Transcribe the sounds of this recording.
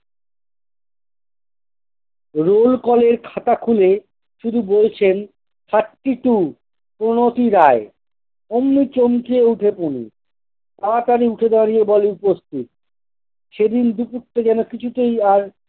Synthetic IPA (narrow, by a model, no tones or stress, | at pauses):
ɾolkɔleɾkʰat̪akʰule | ʃud̪ʱubolt͡ɕʰen | kʰaʈːiʈu | pɾonot̪iɾae | omnit͡ɕomt͡ɕieuʈʰepunḭ | paat̪aɾiuʈʰed̪aɾijebɔleupost̪ʰit̪̚ | ʃed̪ind̪upuʈːed͡ʑɛnokit͡ɕʰut̪ejaɾ